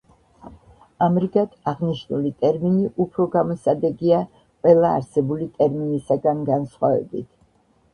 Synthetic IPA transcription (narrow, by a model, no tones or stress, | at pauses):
amɾiɡad̪aʁniʃnulit̪ʼɛɾminiʔupʰɾɔɡamɔsad̪ɛɡia | qʼwɛlˠa̰ːɾsɛbulit̪ʼɛɾminisaɡanɡansχwavɛ̰bḭt̪ʰ